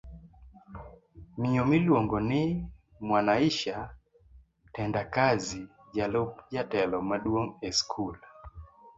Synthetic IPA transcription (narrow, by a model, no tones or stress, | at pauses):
mɪɔmɪlwoŋɡɔnɪ | mwanaiʃa | tɛndakazi | d͡ʒalop̚d͡ʒatɛlɔmaɗwoŋɛskʰul